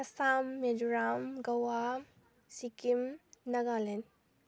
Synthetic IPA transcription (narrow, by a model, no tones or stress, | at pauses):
ɐsamːeduɾamɡɐwa | sikimnɐɡalen